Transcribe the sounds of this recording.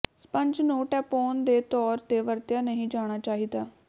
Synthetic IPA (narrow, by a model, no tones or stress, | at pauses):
spəɲd͡ʒnũːʈɛːpoːnd̪eːt̪ɔːɾt̪eːʋəɾt̪jaːnəɦĩːd͡ʒaːɽ̃aːt͡ʃaːɦiːd̪aː